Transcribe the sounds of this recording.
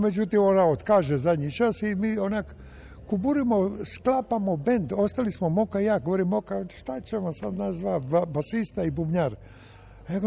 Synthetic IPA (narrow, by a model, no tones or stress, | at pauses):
med͡ʒut̪imonaot̪kaʒezadɲit͡ʃasimiːonak | kubuɾimosklapamobend̪ost̪alismomokajaːɡoʋoɾimːokaʃt̪at͡ɕemosad̪nazzʋaabasist̪aibubɲaɾ | jaɡo